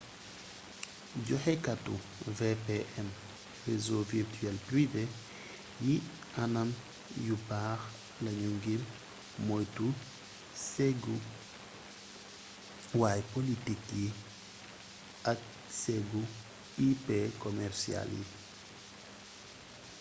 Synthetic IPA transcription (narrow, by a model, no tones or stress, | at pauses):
ɟɔhɛkatṵ | vɛpeʔɛm | rezovirtyɛlpɾive | ji | anɐm | jubaːx | lɐɲuŋɡil | mɔjtu | sɛɡu | wajpolitikji | ɐk̚ | sɛɡu | ipekɔmɛrsia̰ljḭ